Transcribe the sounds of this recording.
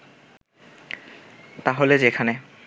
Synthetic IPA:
t̪aɦoled͡ʑekʰane

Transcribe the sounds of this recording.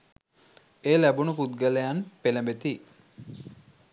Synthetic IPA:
eːlæbunupud̪̚ɡəlejanpeləmbet̪i

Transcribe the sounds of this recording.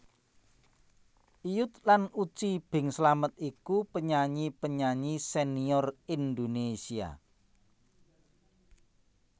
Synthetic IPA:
ʔijʊt̪̚lanut͡ʃib̥ɪ̤ŋsəlamət̪ikupəɲaɲipəɲaɲiseniɔrind̪onesia̰

